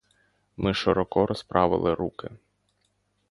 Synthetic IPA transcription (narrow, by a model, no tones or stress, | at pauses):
mɪʃɪɾɔkɔɾʔɔspɾʔɑʋɪ̰lˠɪɾukɪ